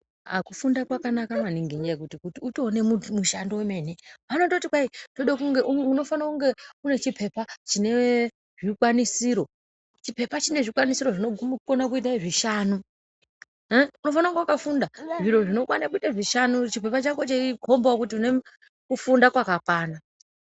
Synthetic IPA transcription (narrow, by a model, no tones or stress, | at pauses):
a̰kufundakwakanakamaniŋɡiɲd͡ʒekutikutiuto̞ne̞mumuʃandoeme̞neʋano̞totikwaitoɗakuŋɡeuuno̞fanakuŋɡe̞une̞t͡ʃipʰe̞pat͡ʃine̞ | ʐikwanisiːɾo̞ | t͡ʃipe̞pat͡ʃine̞ʐikwanisiɾo̞ʐinokonak̬uit̬aʐiʃaːnu | uno̞fanakuŋɡeukafundaʐiɾo̞ʐino̞kwanakuitaʐiʃanut͡ʃipe̞pat͡ʃakot͡ʃeiko̞mbawokutiune̞ | kufundakwakakwaːna